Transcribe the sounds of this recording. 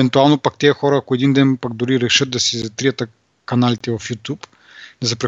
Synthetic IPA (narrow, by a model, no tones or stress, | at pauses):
ɛnt̪ualˠnopak̚t̪ʲɛɐxɔɾɐːkoɛd̪ind̪ɛnpaɡd̪ʊɾiɾɛʃɤt̪̚d̪ɐsizɐt̪ɾijət̪ɐ | kɐnalit̪ɛvɐfjut̪ʲup | nɛzɐpɾɛ